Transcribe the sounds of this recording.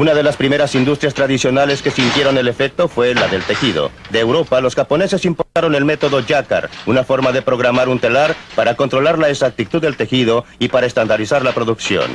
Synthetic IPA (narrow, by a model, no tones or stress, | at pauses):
unað̞e̞laspɾime̞ɾasind̪ust̪ɾjast̪ɾaðisjo̞nale̞ske̞sint̪je̞ɾo̞ne̞le̞fe̞k̚t̪o̞fwe̞laðe̞lt̪e̞xiðo̞̰ | d̪eːwɾo̞palo̞sxapo̞ne̞se̞simpo̞ɾt̪aɾo̞ne̞lme̞t̪o̞ðo̞ʝaka̰ɾunafo̞ɾmaðe̞pɾo̞ɣ̞ɾamaɾunt̪e̞laɾpaɾako̞nt̪ɾo̞laɾlaeksak̚t̪it̪uðːe̞lt̪e̞xiðo̞ipaɾaest̪and̪aɾisaɾlapɾo̞ðuksjo̞̰n